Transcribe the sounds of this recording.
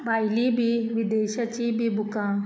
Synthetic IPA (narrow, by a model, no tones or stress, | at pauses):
bajlibʱiʋid̪eːɕət͡ɕiːbʱibʱukã